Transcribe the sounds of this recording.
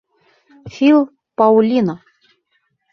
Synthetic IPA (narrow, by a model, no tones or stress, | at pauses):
fʲilˠ | pɑulʲino